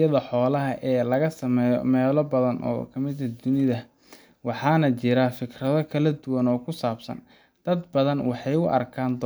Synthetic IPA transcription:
jɐðɐħɔːlɐɦɐʔɛːlɐɣɐsɐmɛːjɔ̰mɛːlɔbɐðɐnʔɔ̰ːkʰɐmɪd̪ɐd̪ʊnɪðɐ | wɑħɑːnɐt͡ʃɪɾafɪkrɐðɔkʰɐlɐd̪ʊwɐnɔːkʰʊsaːbsɐ̰n | d̪̥ɐd̪bɐðɐnwɑħɑjʊʔɐ̰rkʰaːnd̪

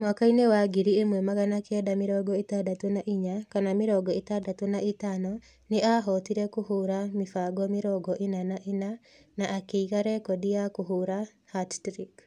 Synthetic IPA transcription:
mwakainewaɡiɾiemwɛmaɣanakɛdamɪɾɔɡɔetadatonaʔiɲakanamɪɾɔɡɔetadatonaetanɔ | neʔaɦɔtiɾɛkuɦuɾamifaɡɔmiɾɔɡɔʔenanaʔena | naʔːkeiɣaɾɛkɔdiakuɦuɾa | hattɾik

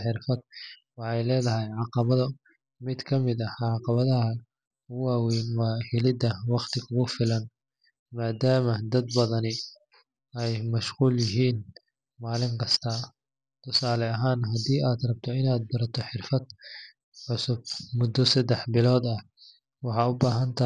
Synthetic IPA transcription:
ħɪrfɐd̪̚wɑħɑjlɛːðɐɦɛjʕɑqɑβɐðɐ | mɪd̪kʰɐmɪd̪ɐʕɑqɑβɐðɐɦɐ | ʊwaːwɛjnwaːhɪlɪd̪ɐwɑqt̪ʰɪkʰʊɣʊfɪlɐn | maːd̪aːmɐd̪ɐd̪bɐðɐnɪ | ɛjmɐʃquːljɪɦiːn | maːlɪŋkʰɐst̪ʰɐ | t̪ʰʊsaːlɛɐɦaːnɦɐd̪iːaːd̪rɐb̚t̪ʰɔɪnaːd̪̚bɐɾɐt̪ʰɔħɪrfɐd̪ | ʕʊsʊb̚mʊd̪ːɔsɐd̪ɛħbɪlɔːd̪ɐh | wɑħɑʊbaːɦɐnt̪ʰɐ

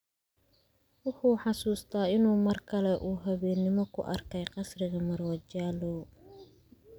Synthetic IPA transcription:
wʊħuːħɑsuːst̪ʰaːɪnuːmɐrkʰɐlɛʔuːɦɐβɛːnːɪmɔkʰʊ̰ʔɐ̰rkʰɛjqɑsrɪɣɐmɐrwɐt͡ʃaːlɔ

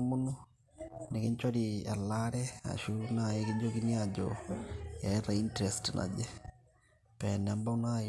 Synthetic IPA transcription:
mono | nekeɲt͡ʃwaɾia̰laɾɛa̰ʃunaekid͡ʒokiniad͡ʒɔ̰jaeraintɾɛstnʔa̰d͡ʒɛ | pɛnambauna

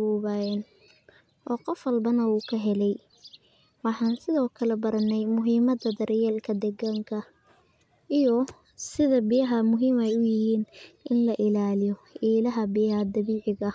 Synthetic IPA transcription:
uːβɐjɛn | ʔɔːqɔfwɐlbɐnɐuːkʰɐɦɛlɛj | wɑħɑːnsɪðɔːkʰɐlɛbɐɾɐnːɛjmʊɦiːmɐd̪ɐd̪ɐɾʔjɛːlkʰɐd̪ɛɡaŋkʰɐ | ʔijɔ | sɪðɐbɪjɐɦɐmʊɦiːmɛjʊjɪhiːnʔɪnlɐʔɪlaːlɪjɔ | iːlɐɦɐbɪjɐhɐd̪ɐβiːʕɪɣɐ

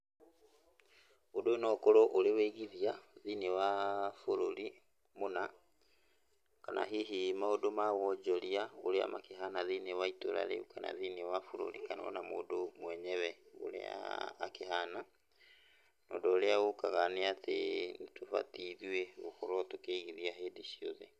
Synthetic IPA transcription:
odonɔkoɾoʔoɾeweɣiðiaðinewafoɾoɾi | mona | kanʔa̰ɦiɦimaodomawɔd͡ʒɔɾiaoɾea̰makeɦanaðinewaito̰ɾa̰ɾḛukana̰ðinewafoɾo̰ɾḭkanɔ̰namo̰ːdomwɛɲɛβɛo̰ɾḛa̰ːkehana | nɔ̰ːdɔːɾeaɣokaɣaneatḛntofa̰tiðweɣokɔɾɔtokeɣiðiaɦeːdiʃio̰ðe

